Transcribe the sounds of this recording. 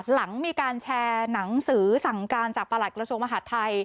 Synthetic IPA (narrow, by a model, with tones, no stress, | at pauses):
t̪̚la˩˦ŋmiː˧kaː˧nt͡ɕʰɛː˧na˩˦ŋsɯː˩˦sa˩˦ŋkaː˧nt͡ɕaː˨˩kpa˧la˨˩t̪̚kɾa˧su˧əŋmaː˧ɦa˨˩˥t̪ʰːa˧j